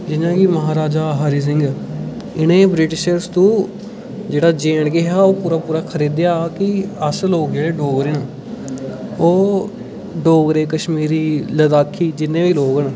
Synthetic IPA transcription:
d͡ʒɪnãːkɪməɦaːɾaːd͡ʒaːɦaːɾiːs̬ɪ̃ŋɡ | ɪnẽːbɾɪʈɪʃəɾst̪ũː | d͡ʒeːɽaːd͡ʒeːɳɡeɦaːoːpuːɾaːpuːɾaːkʰəɾiːd̪ɪjaːkɪəsloːɡd͡ʒeːɽeːɖoːɡɾeːnaː | oː | ɖoːɡɾeːkəʃmiːɾiːləd̪aːkʰːiːd͡ʒɪnːẽːʋiːloːɡənː

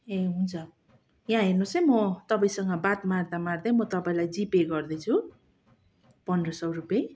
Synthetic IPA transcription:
eɦunt͡sʰʌ | jãɦernosʌmʌt̪ʌpaĩsʌŋɡʌbat̪mard̪amard̪ʌjmʌt̪ʌpaĩlajd͡zipeɡʌrd̪ʌjt͡sʰu | pʌnrʌsʌwrupe

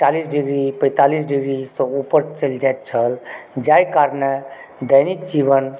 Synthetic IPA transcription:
ʈalisɖiɡɾipə̃ɪt̪alisɖiɡɾisɔ̃upəɾt͡ʃəld͡ʒajt̪̚t͡ʃʰəld͡ʒajkaɾne | d̪əjnikd͡ʒiʋən

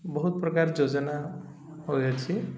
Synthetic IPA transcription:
bɔɦut̪̚pɾɔkaɾd͡ʒod͡ʒɔna | ɦojat͡ʃʰi

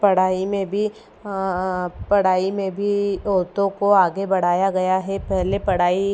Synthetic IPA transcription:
pɐɽ̤aːimẽbʱi | pɐɽ̤aːimẽbʱiɔːt̪õkoaːɡebɐɽ̤aːjaɡɐjaɦɛpɛɦlepɐɽ̤aːi

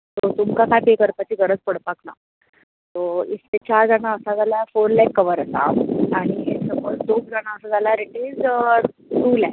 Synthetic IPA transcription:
t̪ot̪umkakat̪ekəɾpat͡ɕiːɡʱəɾəd͡zpəɽpakna̰ | t̪oistet͡ɕaɾd͡zaɽaəsad͡zalafoɾlakkəʋəɾəsa̰aɽ̃isəmoɭd̪oɡ̚d͡zaɽ̃aəsad͡zalaɾeʈed͡z | ɾula̰

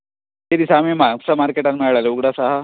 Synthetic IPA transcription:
eɾisamẽmasamaːɾkeːʈanmɛɭɭaleuɡɽasaɦa

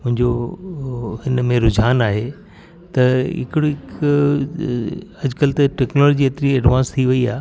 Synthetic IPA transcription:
mʊ̃ɦɪ̃ɲd͡ʑo | hɪnmẽɾʊd͡ʑʱaːnaːɦe | t̪ɐɦɪ̰kɪɽoɪk | ɐd͡ʑkəlt̪ɐʈeːknoːloːd͡ʑiɐt̪ɾiɐɖʋãːnst̪ʰiʋɐiaː

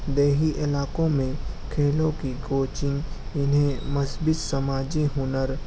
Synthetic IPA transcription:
d̪eːɦiʔɪlaːkõmẽkʰeːlõkiɡoːt͡ʃɪ̃ŋɡɪnɦẽməsbɪt̪sɐmaːd͡ʒiɦʊnəɾ

